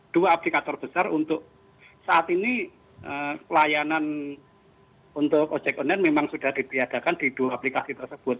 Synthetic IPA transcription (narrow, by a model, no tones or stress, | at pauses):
d̥uaːplikat̪ɔrb̥əsarunt̪ʊʔ̚ | saʔat̪ini | ʔəkəlajanan | unt̪ʊko̥d͡ʒɛk̚ɔnɛnmemaŋsud̥ahd̥i̤p̪ijad̥a̤kand̥id̥uaːplikasit̪ərsəb̥ʊt̪̚